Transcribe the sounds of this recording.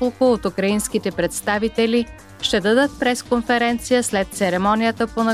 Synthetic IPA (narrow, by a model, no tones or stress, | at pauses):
olˠkʊot̪ukɾɐinskit̪ɛpɾɛt̪st̪avit̪ɛli | ʃt̪ɛd̪əd̪ət̪̚pɾɛskonfɛɾɛnt̪sijəslɛt̪t̪sɛɾɛmɔnijət̪əponɐ